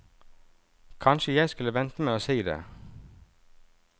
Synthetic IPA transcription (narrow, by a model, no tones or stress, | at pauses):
kʰɑnʃəjæɪskʉləʋɛnt̪əmeːoːsiːd̪ḛː